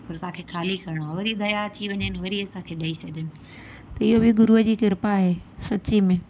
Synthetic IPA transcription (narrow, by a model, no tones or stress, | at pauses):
pɐɾt̪ɐ̤ãːkʰeːxʰaːlikɐɾɪɽ̃oaːʋɐɾid̪ʱɐjat͡ɕiʋɐɲənɪʋɐɾiɐsãkʰeːɗɐisɐɗʱənɪ̆ | t̪ɐɪɦobɪɡʊɾuɦəd͡ʑiːkɪɾpaɦeːsɐt͡ɕimẽ